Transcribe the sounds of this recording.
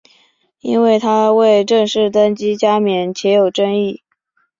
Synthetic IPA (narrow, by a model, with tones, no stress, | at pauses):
i˥nwe˥˩ɪt̪ʰa˥we˥˧ɪʈ͡ʂɤ˥˧ŋʂɻ̩˥˩t̪ə˥nt͡ɕi˥t͡ɕja˥mjɛ˨˧˥nt͡ɕʰjɛ˧˥jo˨˩ʊʈ͡ʂə˥ŋi˥˩